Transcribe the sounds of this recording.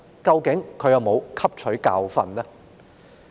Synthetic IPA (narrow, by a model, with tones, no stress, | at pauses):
kɐ˧wkɪ˨˥ŋkʰɵ˨˧ɥjɐ˨wmo˨˧wkʰɐ˥p̚t͡ʃʰɵ˨˥ɥka̰ː˧wfɐ̰˨nlɛ˥